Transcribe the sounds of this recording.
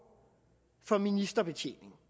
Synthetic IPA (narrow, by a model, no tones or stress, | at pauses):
fɒ̽minisd̥ɐb̥e̝t͡ɕʰe̝̰ne̝ŋ